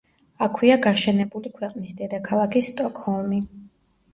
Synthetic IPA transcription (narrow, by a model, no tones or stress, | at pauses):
akʰwiaɡaʃɛnɛbulikʰwɛqʼnisd̪ɛd̪akʰalˠakʰist̪ʼɔkʼhɔlˠmi